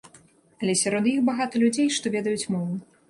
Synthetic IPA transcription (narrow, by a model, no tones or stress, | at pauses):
ɐlʲɛsʲaɾɔd̪jixbaɣat̪ɐlʲud͡zʲejʂt̪ɔvʲɛd̪ɐjut͡sʲmɔvˠ